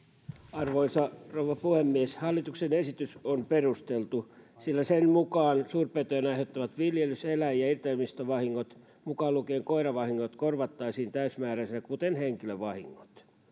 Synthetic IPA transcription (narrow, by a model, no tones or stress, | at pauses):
ɑrʋoisɑrouʋɑpuhemːieshɑlːˑit̪uksenesit̪ysomperust̪elt̪usilːæsenmukɑːnsuːrpet̪øːnɑihot̪ːɑʋɑt̪ʋiljelyselæjjɑirt̪eːmist̪oʋɑhiŋːot̪ | mukɑːlukeːŋkoirɑʋɑhiŋːot̪korʋɑt̪ːɑisiːnt̪æysmæːræsækut̪enheŋkiløʋɑhḭŋːo̥t̪